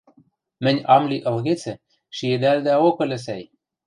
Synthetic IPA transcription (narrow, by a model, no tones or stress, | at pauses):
mɘ̆nʲɑmlʲiʔə̆lɣet͡sĕ | ʃied̪ælʲd̪eɑokə̆lɘ̆s̬æj